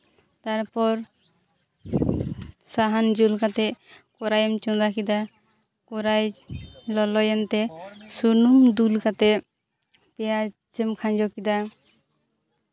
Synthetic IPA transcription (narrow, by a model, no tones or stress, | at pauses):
t̪aɾpɔɾ | saɦand͡ʒulkat̪ɛkɔɾajɛmt͡ʃund̪akid̪a | kɔɾajlɔlɔjant̪ɛsunumd̪ulkat̪ɛ | pɛja | t͡ʃɛmkʰaɲd͡ʒɔkid̪a